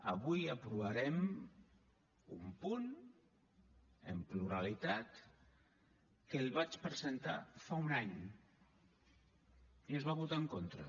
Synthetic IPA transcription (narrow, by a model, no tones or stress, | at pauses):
ə̰βujəpɾuβaɾɛm | ṵmpun | ə̰mpluɾalit̪at̪ | kəlˠβat͡ʃpɾəzent̪a̰faunaɲ | iəzβaβut̪aəŋkont̪ɾə̰